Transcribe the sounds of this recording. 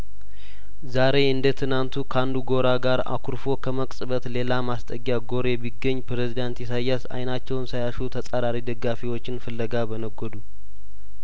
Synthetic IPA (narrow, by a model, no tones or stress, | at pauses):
zaɾe̞ɨnd̪ət̪ʰɨnant̪ʰukʰəand̪uɡo̞ɾaɡaɾa̰kʰuɾfo̞kʰəməkʼsʼɨβət̪le̞lamast̪ʼəɡjaɡo̞ɾebiɡːəɲːpɾezid̪ant̪jɛsajːasa̰jnat͡ʃːɛwnsajaʃut̪ʰəsʼaɾaɾid̪əɡːafiwo̞t͡ʃːɪnfɨlːəɡabənəɡɔd̪u